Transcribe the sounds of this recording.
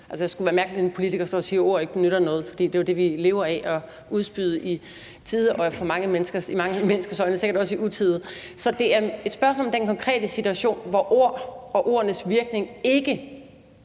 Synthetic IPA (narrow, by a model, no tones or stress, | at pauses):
ælsəjasɡ̥uʋæːɐmæɐɡ̥lienpʰo̝lit͡sʰiɡ̥ɐsd̥ɒ̰ːsiːɐo̝ɐ̰e̝ɡ̥ə̥nøɾ̥ɐnɔ̽ːð̩ˠfɒ̽d̥ḭːd̥e̝jod̥e̝ʋile̝̰ːʊɐɛʔɒ̽ | uð̞ˠsb̥yð̞ˠʔi | t͡sʰiːð̞ˠɒfɒmɑ̈ŋəmenəsɡ̥ɐsimɑ̈ŋəmenəsɡ̥ɐsɒ̽ɪnəse̝ɡɐd̥ɒ̽siʔut͡sʰiðˠ | sɒ̽d̥e̝æɐe̝d̥sb̥ɶɐsmɔ̰̽lmd̥enkʰɒ̽ŋkʰʁɛ̰ːd̥əsit͡sʰuæɕo̝̰ːnʋɒʔo̝ɐ̰ɒ̽ʔo̝ɐ̰ɐnəsʋiɐɡ̥ne̝ŋe̝ɡ̥ə